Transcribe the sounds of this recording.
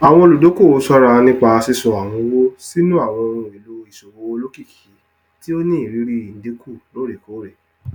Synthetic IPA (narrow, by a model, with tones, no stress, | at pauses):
a˨w̃ɔ̃˧o˧lu˨do˨˦ko˦˨o˨˦sɔ˦ɾa˧nĩ˦k͡pa˧si˧sɔ˨a˨w̃ɔ̃˧˦wo˦si˦nũ˦a˦˨w̃ɔ̃˧ɾ̃ũ˧i˨lu˧˦i˨so˨wo˨˦˧lo˦ki˦˨ki˨˦ | ti˦o˦nĩ˦i˨ɾi˨˦ɾi˦i˨n̩˦de˨˦kʰu˦˨lo˦ɾe˨ko˨˦ɾe˨